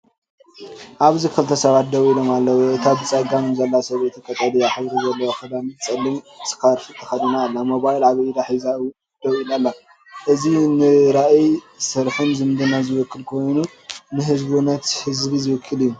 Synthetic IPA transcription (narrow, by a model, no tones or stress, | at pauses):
ʔaβzikʰɨlt̪ʰɐsɐβat̪̚d̪ɐwilo̞malːɐwuʔɨt̪ʰabɨt͡sʼɐɡamɨmzɐlːasɐβet̪ʰikʰʼɐt̪ʼɐlijaħɨβɾizɐlːɐwoxɐd̪anɨt͡sʼɐlːɨm | sʼɨ̥kaɾfɨt̪ʰɐ̥xɐd̪inaːlːamo̞βajlaβid̪aħiza | d̪̥ɐwilalːa | ʔɨzinɨɾaʔi | sɨɾħɨnzɨmd̪ɨnazɨwɨkʰːɨlkʰo̞jnu | nɨɦɨzbunɐt̪hɨzbizɨwɔkʰːɨlijːu